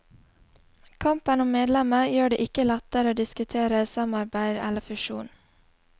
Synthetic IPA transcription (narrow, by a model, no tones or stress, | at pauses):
kʰɑmpənʊmmeːd̪lɛməjøːɖeːʔɪkəlɛt̪əɾəoːd̪ɪskʉt̪ʰeːɾəsɑmɑɾbæɪd̪ɛ̰ləfʉʃṵːn